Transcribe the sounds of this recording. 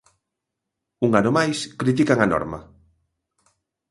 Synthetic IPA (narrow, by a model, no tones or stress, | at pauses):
uŋanomajskɾit̪ikaŋanɔ̰ɾmɐ̰